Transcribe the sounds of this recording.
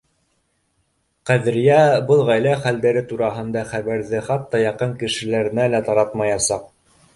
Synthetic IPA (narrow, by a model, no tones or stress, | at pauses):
qæðɘ̆ɾjæbɤlˠʁæjlæχæld̪æɾɘt̪uɾɑɦɤ̆nd̪ɑχæβæɾðɘχɑt̪ːɑjɑqɤŋkɘ̆ʃɘ̆læɾɘ̆nælæt̪ɑɾɑt̪mɑjɑsɑq̚